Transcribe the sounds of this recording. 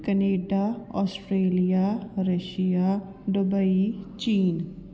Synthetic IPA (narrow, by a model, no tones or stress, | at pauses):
kəneːɖaːɔːsʈɾeːlijaːɾəʃija | ɖʊbəit͡ʃiːn